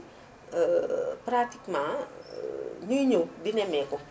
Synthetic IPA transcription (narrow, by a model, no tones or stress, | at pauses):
pɾatikmã | ɲujɲuk̚dinɛmɛkɔ